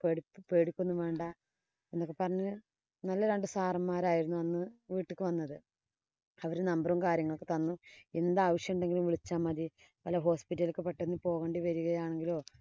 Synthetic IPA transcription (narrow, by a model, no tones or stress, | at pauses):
peɽipːpe̞ːɽikʲːunːumʋeːɳɖɐ | enːokːepɐrɐɲːɐ | nɐlːɐɾeɳɖɨsaːrɐmːaːɾaːjiɾunːuɐnːɨʋiːʈːɨkːɨʋɐnːɐðɨ | ɐʋɐɾunɐmbrɐmkaːɾjɐŋːɐɭokːe̥t̪ɐnːue̞nd̪aːʋɐʂjɐmuɳɖe̞ŋɡilumʋiɭit͡ɕːaːmːɐði | pɐlɐɦo̞ːspitːɐlikːɨpːeʈːenːɨpo̞ːɣeːɳɖiʋɐɾuɣɐjaːɳe̞ŋɡilo̞ː